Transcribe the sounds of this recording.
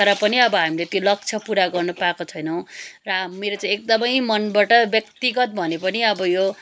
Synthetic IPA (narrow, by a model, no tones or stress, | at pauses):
ʌɾʌpʌniʌbʌɦamilet̪jolʌk̚t͡sʰʌpuɾaɡʌrnupakot͡sʰʌjnʌw̃rʌmːeɾot͡saĩek̚d̪ʌmʌjmʌnbaʈʌbjʌkt̪iɡʌt̪̚bʱʌnepʌniʌbʌjo